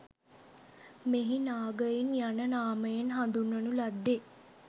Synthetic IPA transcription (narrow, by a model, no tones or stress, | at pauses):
meɦinaːɡəjinjanənaːməjenɦand̪unːənulad̪ːe